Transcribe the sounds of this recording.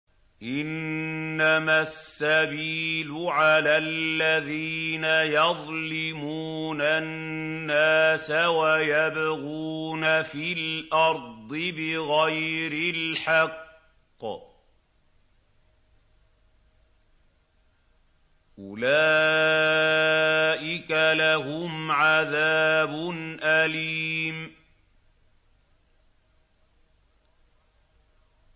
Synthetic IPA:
ʔɪnː | amasːabiːlʊʕalaːllːaðiːnajɑðˤlɪmuːnanːaːsawajabaɣuːnafɪlʔɑɾˤd̪ˤɨbɪɣajɾɪlħɑqː | ʔʊlaː | ʔɪkalaɦʊmʕaðaːbʊnʔaliːm

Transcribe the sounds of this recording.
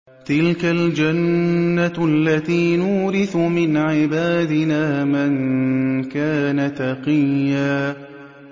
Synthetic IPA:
t̪ɪlkald͡ʒanːaʔalːat̪iːnʊːɾɪθʊmɪnʕɪbaːd̪ɪnaːmankaːnat̪ɑqɪjːaː

